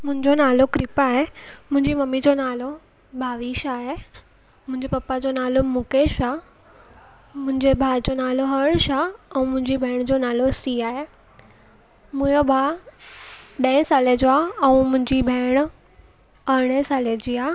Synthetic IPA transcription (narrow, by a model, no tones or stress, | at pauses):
mʊ̃ɦɪ̃ɲd͡ʑonaːlokɾɪpaːɦemʊ̃ɦɪ̃ɲd͡ʑimɐmːid͡ʑonaːlo | bʱaːʋiʃaːɦe | mʊ̃ɦɪ̃ɲd͡ʑepɐpːad͡ʑonaːlomʊkeːʃaː | mʊ̃ɦɪ̃ɲd͡ʑebʱaːd͡ʑonaːloɦɐɽʃaɛ̃mʊ̃ɦɪ̃ɲd͡ʑibʱeːɽ̃d͡ʑonaːlosiːaːɦe | mʊ̃jobʱaː | ɗɐ̃ɪ̃saːled͡ʑoaːɛũmʊ̃ɦɪ̃ɲd͡ʑibʱeːɽ̃ | aɾɽ̃esaːled͡ʑiːaː